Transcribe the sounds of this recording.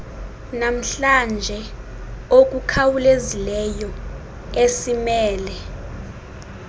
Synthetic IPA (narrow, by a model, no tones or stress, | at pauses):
nam̩ɬand͡ʒʱɛ | ok̬ʼukʰawulezilɛjɔ | esimɛːlɛ